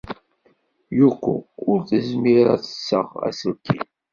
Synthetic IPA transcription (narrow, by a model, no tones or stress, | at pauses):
jukːṵʊɾθəzmiɾæ̰θə̥sːəʁæ̰sulkʰːin